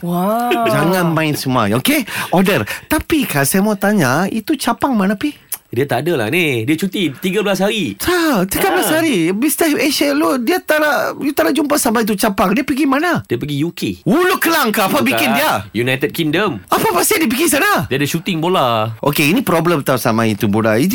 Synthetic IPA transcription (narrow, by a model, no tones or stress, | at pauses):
wad͡ʒaŋãnmãɪnsəma̰jokeɔdərt̪apikasajamuat̪aɲait̪ut͡ʃapaŋmanapi | diat̪adəla̰hnediat͡ʃut̪it̪iɡabəlas̬ɦaɾisat̪iɡabəlasɦaɾibist̪əheʃɛludiat̪aɾaʔjut̪anaʔd͡ʒumpasamait̪̬ut͡ʃapaŋdiapəɡimanadiəpəɡijukewulukːəlaŋkaapabikɪndiajunajt̪əd̚kiŋdəmapapasiʔdiəp̬əɡis̬anadiadəʃut̪ɪŋbolaʔo̰keinipɾɔbləmt̪asamait̪ubola̰id͡ʒ